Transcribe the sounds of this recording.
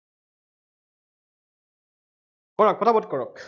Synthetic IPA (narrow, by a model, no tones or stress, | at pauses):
kɔɹɔk̚pɔt̪ʰabɔtkɔɹɔk